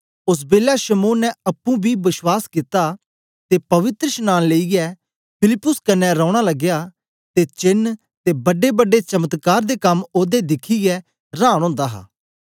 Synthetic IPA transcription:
ʊs̬beːlaʃəmoːnːɛɐpːũbʱiːbɪswaːskit̪a | t̪eːpɐʋɪt̪ɾəʃnãːnleːiɡɛ | pʰɪlɪpːʊskɐnːɛɾɔ̃ːɽ̃aləɡjaː | t̪et͡ʃɪn | t̪ebɐɖebəɖet͡ʃɐmət̪kaːɾd̪ekɐmoːd̪ed̪ɪkʰiɡɛ | ɾãːɽ̃ɔ̃ːnd̪aːɦa̰ː

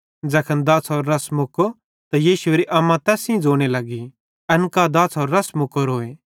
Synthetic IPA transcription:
d͡zɐkʰənd̪aːsɦoːɾːɐsmʊko | t̪ajiːʃʊeːɾiʔɐmãt̪ɛːsĩd͡zoːɽ̃elɐɡi | ɐnkad̪aːsɦɔːɾːɐsmʊkoɾɦoːe

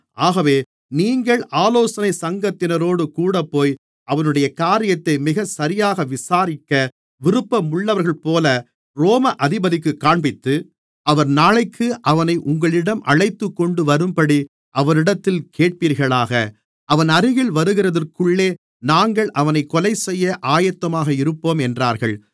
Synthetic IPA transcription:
ʔaːɣɐʋeː | niːŋɡɐɭaːloːsɐnɐɪsɐŋɡɐt̪ːɪnɐɾoːɽɯkuːɽɐpːoːj | ʔɐʋɐnɯɽɐjɐkaːɾɪjɐt̪ːɐɪmɪɣɐsɐɾɪjaːɣɐʋɪsaːɾɪkːɐ | ʋɪɾɯpːɐmʊɭːɐʋɐɾɣɐɭpoːlɐ | ɾoːmɐʔɐðɪbɐðɪkːɯkːaːɳbɪt̪ːɯ | ʔɐʋɐɾnaːɭɐɪkːɯʔɐʋɐnɐɪʔʊŋɡɐɭɪɽɐmʔɐ̰ɭɐɪt̪ːɯkːɔɳɖɯʋɐɾɯmpɐɽi | ʔɐʋɐɾɪɽɐt̪ːɪlkeːʈ̚piːɾɣɐɭaːɣɐ | ʔɐʋɐnɐɾɯɣɪɭʋɐɾɯɣɪɾɐðɐrkɯɭːeː | naːŋɡɐɭʔɐʋɐnɐɪkːɔlɐɪsɛjːɐʔaːjɐt̪ːɐmaːɣɐɪɾɯpːoːmɛndraːɾɣɐɭ

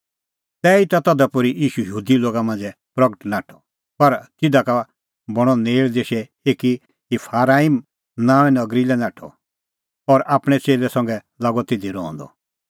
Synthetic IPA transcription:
t̪ɛːit̪at̪ɔd̪apʊɾiʔiːʃujɦuːd̪iloːɡamãːnd͡zɛ | pɾɐɡəʈnaːʈʰɔ̥ | pɐɾt̪ɪd̪aka | bɔɽ̃ɔneːɭd̪eːʃɛ | eːki | ipʰaːɾaːim | nãːʋɛnɐɡɾilɛnaːʈʰɔ̰ | ɔːɾaːpɽ̃ɛt͡ʃeːlɛsɐ̃ŋɡɛ | laːɡɔt̪ed̪iɾɔ̃ːnd̪ɔ̰

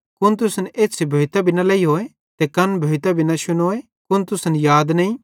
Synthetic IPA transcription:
kʊnt̪ʊsəneːsʰebʱoːɪt̪abʱɪnalɐiɦoːe | t̪ekɐnbʱoɪt̪abɪnaʃʊnoːe | kʊnt̪ʊsənjaːd̪nɐĩ

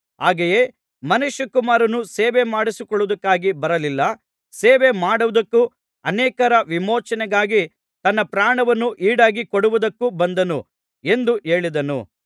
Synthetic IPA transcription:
ɦaːɡejeː | mɐnuʃːɐkumaːɾɐnuseːʋemaːɽisikɔɭud̪ɐkːaːɡibɐɾɐlilːɐ | seːʋemaːɽuʋud̪ɐkːu | ɐnɛːkɐɾɐʋimoːt͡ʃɐnɛɡaːɡi | t̪ɐnːɐpɾaːɳɐʋɐnːuʔiːɽaːɡikoɽuʋud̪ɐkːubɐnd̪ɐnu | e̞nd̪uʔe̞ːɭid̪ɐnṵ

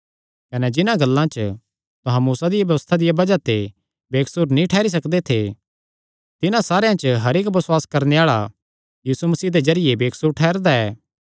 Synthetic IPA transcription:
kɐnɛd͡ʒɪnãɡɐlːãt͡ʃ | t̪ʊ̃ɦãmuːsad̪ɪjabjɐʋəst̪ʰad̪ɪjabɐd͡ʒat̪e | beːksuɾnĩʈʰɛːɾis̬ɐkd̪et̪ʰe | t̪ɪnãsaːɾeãt͡ʃəɦɐɾeːkbɐswaːskɐɾneaːɭa̰ | jiːsumɐsiːɦd̪ezɐɾɪjebeːksuɾʈʰɛːɾd̪aɛː

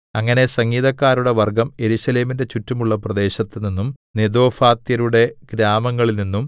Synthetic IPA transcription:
ɐŋːɐne̞sɐŋːiːðɐkːaːɾuɽe̞ʋɐrɡɐme̞ɾuɕɐle̞ːminde̞t͡ɕutːumuɭːɐprɐd̪e̞ːɕɐt̪ːininːum | ned̪o̞ːfaːt̪jɐɾuɽe̞ɡ̥ɾaːmɐŋːɐɭilninːum

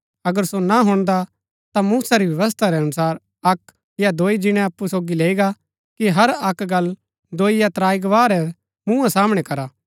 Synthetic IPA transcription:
ɐɡəɾsonaɦʊɽ̃d̪a | t̪amuːsaɾibjɐʋəs̬t̪ʰaɾɛɐnʊsaːɾ | ɐk | jad̪oːid͡ʒɪɽ̃ɛ̃ɐpːusoːɡileːiɡa | kiɦɐɾɐkɡɐl | d̪oːijat̪ɾaːjɡʋaːɾɛ | mũːãsaːməɽ̃ɛkɐɾaː

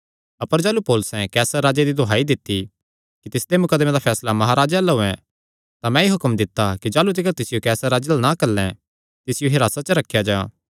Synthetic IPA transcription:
ɐpəɾd͡ʒaːlupoːlʊsɛ̃kɛːsəɾːaːd͡ʒed̪id̪ʱoɦaːid̪ɪt̪ːi | kit̪ɪsd̪emʊkəd̪mẽd̪apʰɛːslamɐɦaɾaːd͡ʒalɐɦʊɛ̰̃ | t̪amɛ̃eɦʊkəmd̪ɪt̪ːakid͡ʒaːlut̪̬ɪkəɾt̪ɪsɪjokɛːsəɾaːd͡ʒəlnakɐlːɛ̃ | t̪ɪsɪjoɦɪɾaːsat͡ʃəɾɐkʰːjad͡ʒaː

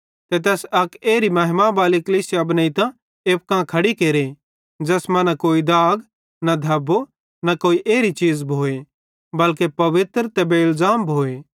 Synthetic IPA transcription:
t̪ɛt̪̬ɛːsɐkeːɾimɐɦmãbaːlikɐliːsɪjabnəit̪ã | eːp̚kãːkʰɐɽikeːɾe | d͡ʒɛːsmɐ̃nakoːid̪aːɡ | nad̪ʱɐbo | nakoːiʔeːɾit͡ʃiːzbʱoːe | bɐlkepɐʋɪt̪ɾt̪ɛbʱeɪlzaːmbʱoːeː

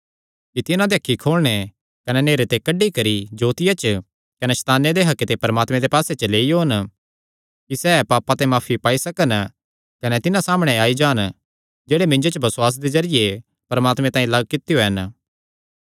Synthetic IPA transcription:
kit̪ɪnãd̪eɐkʰːikʰoːɭɽ̃e | kɐnɛneːɾet̪ekɐɖikɐɾid͡ʒoːt̪ɪjat͡ʃ | kɐnɛsɐ̥t̪aːnːed̪eɦɐkːet̪epɐɾəmaːt̪mẽd̪epaːset͡ʃəleːijoːɐn | kisɛːpaːpat̪emaːfʰipaːisɐkən | kɐnɛt̪ɪnãsaːməɽ̃eaːid͡ʒaːn | d͡ʒeːɽemɪ̃ɲd͡ʒet͡ʃbɐsʊwaːs̬d̪ezɐɾɪje | pɐɾmaːt̪mẽt̪ãːĩlɐɡ̚kɪt̪ijoɦɐn

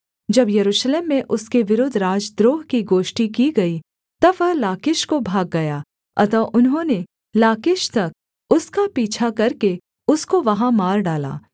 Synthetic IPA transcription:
d͡ʒɐbjɐɾuːʃleːmːẽʔʊskeʋɪɾʊd̪ʱɾaːd͡ʒd̪ɾoːɦkiɡoːʃʈikiɡɐi | t̪ɐʋɐɦlaːkɪʃkobʱaːɡːɐjaː | ɐ̰t̪ɐʔʊnɦõːne | laːkɪʃt̪ɐk̚ | ʊskapiːt͡ʃʰakɐɾke | ʊskoʋɐɦãmaːɾɖaːla̰ː

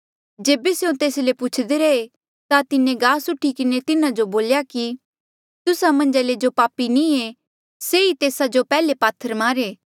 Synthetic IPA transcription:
d͡ʒeːbeseõt̪eːslepʊt͡ʃʰd̪eɾɐe | t̪at̪ɪnẽɡaːsʊʈʰːikɪnet̪ɪnãd͡ʒoboːljaki | t̪ʊsamɐ̃nd͡ʒaled͡ʒopaːpinĩe | seit̪eːsad͡ʒopɛːlepaːt̪ʰːəɾmaːɾeː

